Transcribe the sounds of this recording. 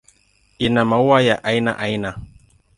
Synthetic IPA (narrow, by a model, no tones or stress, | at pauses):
inamauwajaʔaina̰ʔaina